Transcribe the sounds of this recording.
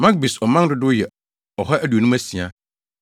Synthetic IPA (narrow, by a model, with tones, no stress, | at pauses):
mã˦k̚bi˨sɔ˨mã˦n˦dʊ˦dʊ˦jɛ˨ | ɔ˨ɦɔ˦ʔæ˦du˨nũ˦m˦æ˦sĩ˨a˨